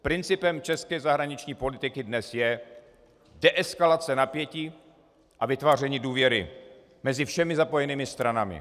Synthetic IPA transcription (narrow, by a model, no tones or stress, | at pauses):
pɾɪnt͡sɪpɛmt͡ʃɛskɛːzaɦɾaɲɪt͡ʃɲiːpo̞lɪt̪ɪkɪdnɛsjɛ | dɛʔɛskalat͡sɛnapjɛciː | ʔavɪt̪vaːr̝ɛɲɪduːvjɛɾɪ̰ | mɛzɪfʃɛmɪzapo̞jɛniːmɪst̪ɾanamɪ̰